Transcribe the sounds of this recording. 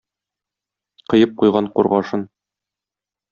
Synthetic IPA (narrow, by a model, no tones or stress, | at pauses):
qɤ̆jɤp̚qujʁɑɴqṵɾʁɑʃɤn